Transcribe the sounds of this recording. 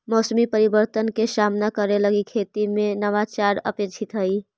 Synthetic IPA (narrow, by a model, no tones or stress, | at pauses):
mɔːsmipəɾibəɾt̪ənkesaːmnakəɾeləɡikʰeːt̪imẽnəʋat͡ʃaɾə̰pet͡ʃʰit̪ɦəi